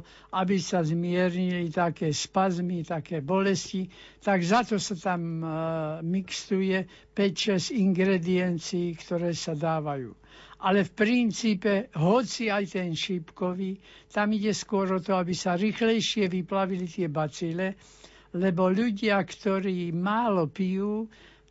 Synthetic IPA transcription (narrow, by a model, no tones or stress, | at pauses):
abisazmɪɛɾɲilit̪akɛːspazmit̪akɛːbɔlɛsci | t̪aɡzat̪ɔsat̪amː | ikst̪ujɛ | pɛcʃɛziŋɡɾɛd̪iɛnt͡siːkt̪ɔɾɛːsad̪aːʋajṵː | ʔalɛfpɾint͡siːpɛɦɔt͡siajt̪ɛnʃipkɔʋiː | t̪amiɟɛskʊɔɾɔt̪ɔabisaɾiːxlɛjʃɪɛʋiplaʋilit̪ɪɛbat͡silɛ | lɛbɔʎuɟɪakt̪ɔɾiːmaːlɔpijuː